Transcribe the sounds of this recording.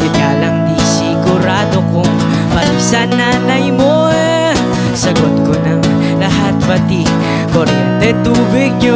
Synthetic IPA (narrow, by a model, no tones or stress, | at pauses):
ɪnaːlɐŋd̪isɪɡʊɾaːd̪okʊŋ | pɐt̪isɐnaːnɐjmo | sɐɡot̪̚konɐŋ | lɐɦat̪̚pɐt̪i | poɾɛnt̪ɛt̪uːbɪɡ̚ɲo